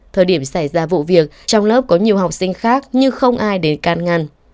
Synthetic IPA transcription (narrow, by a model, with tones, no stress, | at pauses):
t̪ʰəː˨˩jɗi˧˩əmsa˧˩jzaː˧vṵ˧˨vi˨˩ək̚t͡ɕɔ˧wŋ͡mləː˦˥p̚kɔ˨˦ɲi˨˩əwɦa˨˩wk͡p̚sï˧ŋ̟xaː˦˥k̚ɲɨ˧xə˧wŋ͡mʔaː˧jɗe˨˦nkaː˨˩nŋa˨˩n